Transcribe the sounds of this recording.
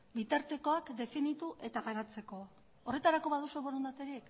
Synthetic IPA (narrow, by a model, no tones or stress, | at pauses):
bit̪aɾt̪e̞ko̞akd̪e̞finit̪uʔe̞t̪aɣaɾat͡se̞ko̞ | ore̞t̪aɾako̞βaðusoβoɾond̪at̪eɾik